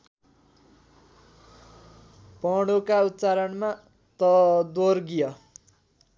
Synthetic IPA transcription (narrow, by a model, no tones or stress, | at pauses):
pʌɽukaut̪ːt͡saɾʌnma | t̪ʌd̪orɡijʌ